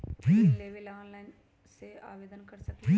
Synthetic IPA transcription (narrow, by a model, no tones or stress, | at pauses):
ʋieʋilaːnlajn | sea̰ːʋeːd̪ənkɐɾsɐkʋi